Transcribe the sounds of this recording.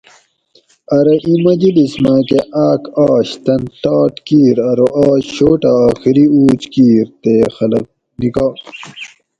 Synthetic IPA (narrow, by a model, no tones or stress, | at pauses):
ɐɾɐʔimɐd͡ʑilismaːkeʔaːkaːɕt̪ɐnʈaːʈkiːɾɐɾoʔaːɕoːʈaaːxiɾiuːt͡ɕkiːɾt̪eːxɐlɐ̰k̚ | nikaː